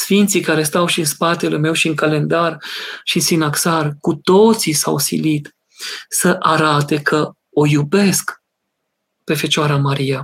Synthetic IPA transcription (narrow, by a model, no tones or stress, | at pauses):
sfint̪sikaɾe̞st̪awʃiɨnspat̪e̞leme̞wʃiɨŋkale̞nd̪arʃiɨnsinaksarkut̪o̞t̪sisa̰wsḭlit̪ | səʔaɾat̪e̞kʰə | o̞jube̞sk | pe̞fe̞t͡ʃoaɾamaɾija